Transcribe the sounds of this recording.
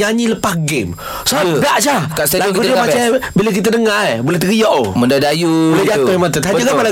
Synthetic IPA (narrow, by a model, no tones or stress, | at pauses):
aɲiləpasɡɪm | saədaʔsakasalaɡudiəmat͡ʃabilək̬it̪ədəŋabulɛht̪əɣijɔʔomədadajuulɛd͡ʒat̪ʊhmat̪ət̪ad͡ʒəkamala